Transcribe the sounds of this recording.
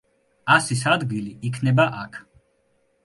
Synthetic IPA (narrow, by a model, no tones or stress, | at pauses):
asisad̪ɡiliʔikʰnɛbaʔakʰ